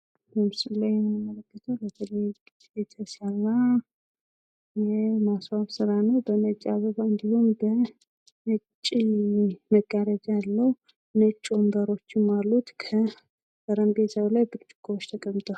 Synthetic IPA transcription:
bəmɨsɨlajɛmnəmələkːət̪ʰəwlət̪ʰəle | jet̪ʰəsalːa | jɛmasβaβsɨɾanəwbənət͡ʃʼaβəβaɨnd̪ihumbə | nət͡ʃʼːiməɡaɾad͡ʒjalːəwu | nət͡ʃʼːombəɾo̞t͡ʃːɪmːalːut̪kʰə | b̥əɾəmbesəwlajbɨɾt͡ʃʼɨ̥kʰːuɾo̞t͡ʃːt̪ʰəkʼəmːt̪ʰʼə

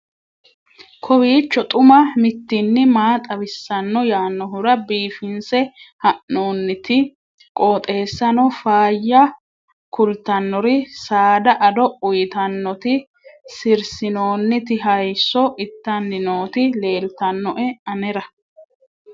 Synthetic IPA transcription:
kʰɔwiːt͡ʃːɔt̪ʼʊmɐmɪt̪ːɪnːɪmaːt̪ʼɐβɪsːɐnːɔjaːnːɔɦʊɾɐbiːfɪnsɛhɐʔno̞ːnːɪt̪ɪ | kʼoːt̪ʼe̞ːsːɐnɔfaːjːɐ | kʊlt̪ɐnːɔɾɪsaːd̪ɐʔɐd̪ɔʊjt̪ɐnːɔt̪ɪ | sɪɾsɪno̞ːnːɪt̪ɪɦɐjsɔʔɪt̪ːɐnːɪno̞ːt̪ɪle̞ːlt̪ɐnːɔʔɛɐnɛɾɐ

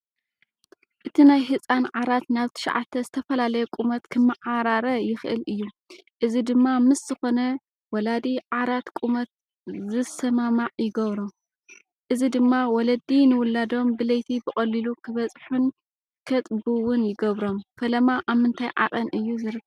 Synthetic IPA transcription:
ʔɨt̪ʰinajɦɨt͡sʼanʕaɾat̪naβt̪ʰɨ̥ʃʕa̰t̪ʰːɐzɨt̪ʰɐfɐlalɐjukʼumɐt̪kʰɨmːɨʕaɾaɾɐjɪxɨʔɨ̰lʔɨjːu | ʔɨzid̪ɨmːamɨsz̥ɨxo̞nɐ | wɔlad̪iʕaɾat̪kʼumɐt̪̚ | zɨsɐmamaʕjɪɡɐβɾo | ʔɨzid̪ɨmːawɔlɐd̪inɨwʊlːad̪o̞mbɨlɐjt̪ʰibɨkʼɐlːilukʰɨβɐt͡sʼħun | kʰɐt̪ʼbɨwʊnjɪɡɐβɾo̞mkʰɐlɐmaʔaβmɨnt̪ʰajʕa̰qʼɐnʔɨjːuzɨɾɨkː

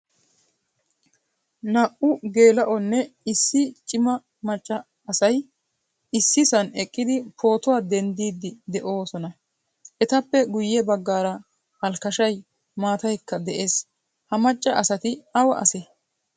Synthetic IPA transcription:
nɐʔʊɡe̞ːlɐʔɔnːɛɪsːɪt͡ʃʼɪmɐ | mɐt͡ʃʼːɐː | sɐj | ɪsːɪsɐnɛkʼːɪd̪ɪpʰo̞ːt̪ʊwaːd̪ɛnd̪iːd̪ːɪd̪ɛʔo̞ːsɔnɐ | ʔɛt̪ɐpːɛɡʊjːɛbɐɡːaːɾɐ | hɐlkɐʃɐj | maːt̪ɐjkːɐd̪ɛʔe̞ːs | hɐmɐt͡ʃʼːɐɐsɐt̪ɪɐwɐʔɐ̰sɛ

